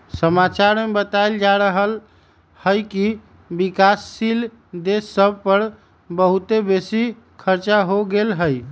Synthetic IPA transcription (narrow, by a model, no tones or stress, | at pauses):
səmat͡ʃaɾmebət̪ajld͡ʒaɾəɦəl | həjki | bikasːil | d̪esːəb̚ʱpəɾ | bəɦut̪ebesi | kʰəɾt͡ʃaɦoɡelɦəj